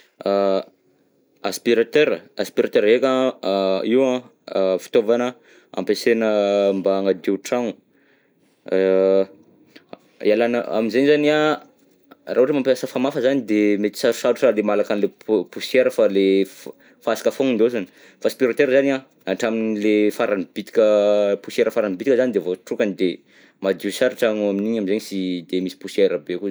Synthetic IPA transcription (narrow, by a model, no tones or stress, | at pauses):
a | aspiɾat̪øɾaspiɾat̪øɾekʲa | iwã | fi̥t̪ovanə | a̰mpesenəmbaŋəd̪euʈ͡ʂaŋu | ialanəa̰minzenzania | rʔaɦuʈ͡ʂəmampjasəfamafəzanid̪emet̪i̥saɾusaɾuʈ͡ʂalemalakanlepusieɾəfale | fasi̥kafoŋind̪ozani̥ | faspiɾot̪eɾzania | aʈ͡ʂaminilefaɾanib̥it̪i̥kʲəpusjeɾəfaɾanibit̪ikəzanid̪evoʈ͡ʂukanid̪e | mad̪uwsaɾaʈ͡ʂaŋuaminiɲamizeɲisid̪emisi̥puseɾəbekʲu